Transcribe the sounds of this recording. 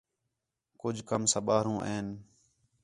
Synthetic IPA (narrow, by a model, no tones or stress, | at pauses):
kʊd͡ʒʱkəmsəɓaːɾũːʔeːn